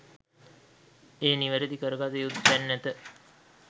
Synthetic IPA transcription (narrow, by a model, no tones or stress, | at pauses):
eːniʋəɾəd̪ikəɾəɡat̪əjud̪ænːæt̪ə